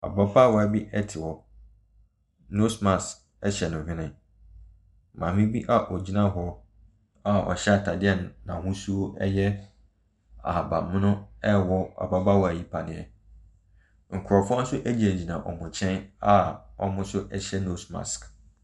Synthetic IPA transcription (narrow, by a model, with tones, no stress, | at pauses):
a̰˨ba˦ba˦wɔ˨a˨bi˦ʔɛ˦tʰɪ˨wɔ˨ | no˦smã˨sk | ɛ˦ɕɛ˨nʊ̃˨hᶣɪ̃˦nɪ̃˦ | mã˨mɪ̃˦bi˦ʔa˦ʔɔ˨d͡ʑi˨˦nã˦ɦɔ˦ | a˨ɔ̰˨ɕɛ˦a˨tʰa˨dɪ˦ɛ˦˨nː˨ã˨hʊ̃˦su˦o˦ɛ˦jɛ˦ | a̰˨ba̰˨mʊ̃˦nʊ̃˦ɛ˦wɔ˦a̰˨ba˦ba˦wɔ˨a˨ji˦pʰa˨nɪ̃˨ɛ̰˨ | ŋ̩˨kʰʊ˨ɾɔ˨fʊ˦ɔ̃˦n˦sʊ˦ʔæ˦d͡ʑi˦˨æ˨d͡ʑi˨nã˨ʔɔ̰˨mʊ̃˨t͡ɕʰɛ̃˦na˦ɔ̰˦mʊ̃˦sʊ˦ʔɛ˦ɕɛ˦no˦sma̰˨sk